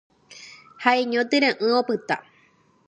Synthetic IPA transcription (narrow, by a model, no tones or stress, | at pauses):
haeɲõt̪ɨɾẽʔɨ̃opɨt̪a